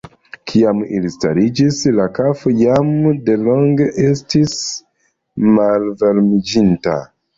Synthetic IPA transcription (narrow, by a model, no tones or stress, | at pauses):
kʰiamḭlistaɾid͡ʒislakafojamde̞lo̞ŋɡeʔe̞stis | malveɾmid͡ʒinta̰